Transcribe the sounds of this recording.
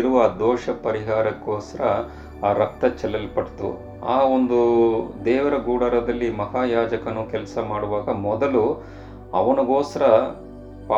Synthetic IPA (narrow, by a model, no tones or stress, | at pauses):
iɾuʋɐaːd̪ɔːʂɐpɐɾiɦaːɾɐkːoːsɐɾɐ | aːɾɐk̚t̪ɐt͡ʃɛlːɐlpɐʈt̪ṵ | aːond̪ud̪ɛːʋɐɾɐɡuːɽɐɾɐd̪ɐlːimɐɦaːjaːd͡ʒɐkɐnukɛlɐsɐmaːɽuʋaːɡɐmɔd̪ɐlu | ɐ̰ʋɐnɐɡoːsɐɾɐ | paː